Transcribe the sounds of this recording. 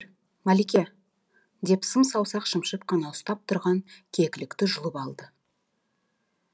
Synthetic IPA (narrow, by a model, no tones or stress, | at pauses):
mælikʲe | d̪e̞psəmsɑwsɑqʃəmʃəp̚qʰɑnɑʊst̪ɑp̚t̪ʰʊɾʁɑŋkʲʰe̞kʲɪlɪkt̪ɪʒʊlˠəpɑlˠd̪ə